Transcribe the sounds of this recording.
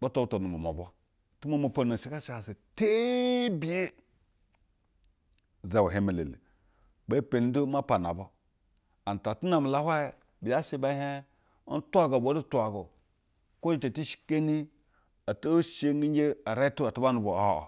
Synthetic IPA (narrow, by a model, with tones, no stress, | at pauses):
ba˦to˦to˨nu˨ma˨mo̰˨bo˦ | tu˦ma˦ma˨pa˨na˨ʃe˦ka˦ʃi˦a˨se˨te˦bi˦je˦ | za˨wa˨ɦe˦me˨lḛ˨lḛ˨ | ba˦pe˨n˦do˦ma˦pa˨na̰˨bo˦ | a˨n˨ta˨tu˦na˨m˨la˦hʷa˦je˨ | bi˨ja˦ʃe˦ba˦he˦ | ntʷa˦ɡo˨bo˨˦du˦tʷa˨ɡo˨ | ko˦d͡ʒi˦˨ta˨ti˦ʃi̥˦ke˦ni˦ | a˨to˦ʃe˦ŋi˦d͡ʒe˦a˨ɾa˦tu˦a˨ta˦ba˦nu˨bo˨a̰˦˨